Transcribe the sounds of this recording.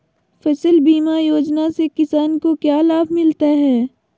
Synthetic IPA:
fɐsəlbiːmajoːd͡ʒnasekɪsaːnkokjaːlaːbʱmɪlt̪aɦɛː

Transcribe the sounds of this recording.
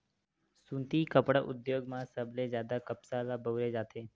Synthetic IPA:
sũːnt̪ikəpɽʔʊ̰d̪joːɡmãsəblẽzjaːd̪akɐpsalabəːɾed͡ʒaːt̪ʰeː

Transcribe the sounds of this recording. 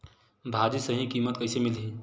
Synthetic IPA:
bʱaːdisəɦĩkiːmət̪̚kəɪsemɪlɦĩ

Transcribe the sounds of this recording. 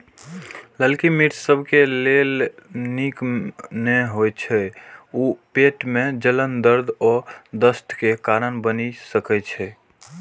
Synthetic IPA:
ləlkimiʈsəbʱkelelnikneɦojt͡ʃʰɛupeʈmed͡ʒələnd̪əɾd̪ʱɔd̪əst̪ʰkekaɾənbənisəkɛt͡ʃʰɛ

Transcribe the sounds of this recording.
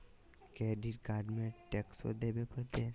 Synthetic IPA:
keɖiʈɡaːɖmẽʈekso̰d̪ebepəɾt̪e

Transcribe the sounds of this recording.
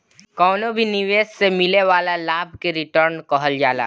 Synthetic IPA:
kɔːnobʱiniʋeːssemɪleʋaːlalaːbʱkeɾɪʈəɾnkɔɦəld͡ʒaːla̰ː

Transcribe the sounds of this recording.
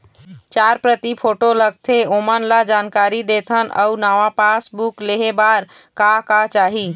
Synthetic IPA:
t͡ʃaɾpɾət̪ipʰoʈoləɡ̚t̪ʰeomənlad͡ʒankaɾid̪et̪ʰənə̰unaʋapasbukleɦebaɾ | kakat͡ʃaɦi

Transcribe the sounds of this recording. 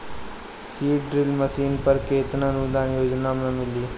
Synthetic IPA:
siːɖɾɪlməsiːnpəɾkeːt̪ɾãnud̪aːnjoːd͡ʒnamẽmɪliː

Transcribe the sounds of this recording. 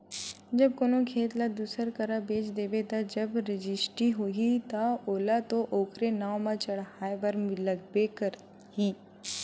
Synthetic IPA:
d͡ʒɐb̚koːnõkʰeːt̪lad̪uːsəɾkəɾabeːt͡ʃd̪eːbet̪ad͡ʒɐbɾɪd͡ʒɪsʈiɦoːɡit̪aoːlat̪oʔoːkɾenaːwmãt͡ʃɐɽaːebɐɾmɪləɡbekəɾ | ɦiː

